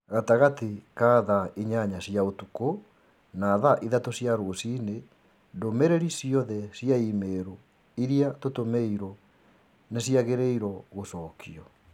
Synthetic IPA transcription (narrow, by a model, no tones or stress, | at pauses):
ɣataɣatekaːðaʔiɲaɲasjaotuko | naðaʔiðatosjaɾosine | ndomeɾeɾisiɔðɛsjaimeɾo | iɾiatotomeiɾɔ | nesiaɣeɾeiɾɔɣosɔkʰiɔ